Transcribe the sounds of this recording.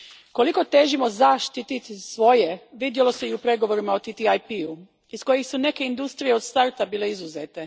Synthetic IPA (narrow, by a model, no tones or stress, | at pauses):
ko̞liko̞t̪e̞ʒimo̞zaʃt̪it̪it̪isʋo̞je̞ʋid̪jelo̞se̞iupɾe̞ɡo̞ʋo̞ɾimaot̪it̪iajpiu | isko̞jixsune̞ke̞ind̪ust̪ɾije̞od̪st̪aɾt̪abiːle̞izuzeːt̪e̞